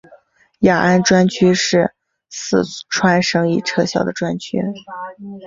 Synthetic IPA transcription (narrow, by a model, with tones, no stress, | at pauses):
ja˨˩ʔa˥˩nʈ͡ʂwa˥nt͡ɕʰy˥ʂɻ̩˥˩ | sɹ̩˥˩ʈ͡ʂʰwa˥nʂɤ˥ŋi˥˩ʈ͡ʂʰɤ˥ɕjɑ˥˩ʊd̪ə˩ʈ͡ʂwa˥nt͡ɕʰy̰˥